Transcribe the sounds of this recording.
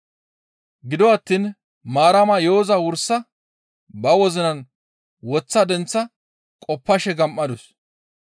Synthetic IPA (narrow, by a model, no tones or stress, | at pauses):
ɡɪd̪ɔɐt̪ːiːn | maːɾɐmɐjoːzɐwʊɾsːɐ | bɐwɔzɪnɐn | wɔt͡sːɐd̪ɛnt͡sːɐ | kʼɔpːɐʃɛɡɐmʔːɐd̪ʊs